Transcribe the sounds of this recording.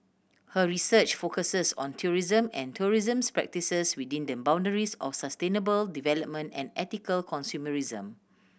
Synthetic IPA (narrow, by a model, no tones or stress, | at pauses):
həɹisət͡ʃfokəsəsɔ̰̃ntʰuɹizə̃mɛ̰̃ntʰuɹizə̃mspɹɛ̰k̚tisəswidĩndəbãw̃ndəɹisɔ̰fsastẽnəbəldivɛləp̚mə̃ntɛ̰̃nɛtikəlkʰɔ̃nsjuməɹizə̰̃m